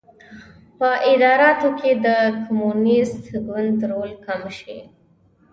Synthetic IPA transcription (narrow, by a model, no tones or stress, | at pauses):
pəʔɪd̪ɑɾɑt̪oked̪əkʊmunɪst̪ɡwand̪ɾolkamʃḭ